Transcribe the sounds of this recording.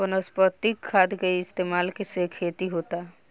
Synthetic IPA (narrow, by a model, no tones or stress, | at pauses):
ənəspət̪ːikʰːad̪ɡeiɪst̪eːmaːlkesekʰeːt̪iɦoːt̪a